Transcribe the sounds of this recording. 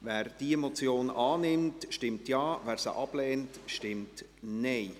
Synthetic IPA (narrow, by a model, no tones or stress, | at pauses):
vɛːɾd̥iemot͡sjoːnɑːnɪmtʃtɪmtjɑːvæːɾsə̰ʔɑb̥lɛːntʃtɪmt | nɛɪ